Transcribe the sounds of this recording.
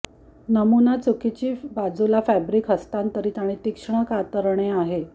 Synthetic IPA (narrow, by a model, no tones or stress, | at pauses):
nəmunat͡sukit͡ɕiːbad͡zulafæbɾiːkɦəst̪ant̪əɾiːt̪aɽ̃it̪ikʂɳəkat̪əɾɳ̃eaɦe